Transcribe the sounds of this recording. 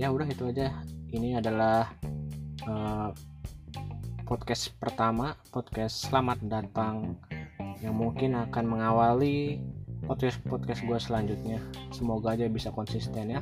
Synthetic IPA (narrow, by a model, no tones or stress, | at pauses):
jaudaɦit̪uad͡ʒainiadalah | ə | pɔt̪̚kɛspərt̪amapɔt̪̚kɛsːəlamat̪̚dat̪aŋ | jaŋmuŋkɪnakanməŋawali | pɔt̪̚kɛspɔt̪̚kɛsɡuasəlaɲd͡ʒut̪̚ɲasəmoɡaːd͡ʒabisakɔnsist̪ɛnja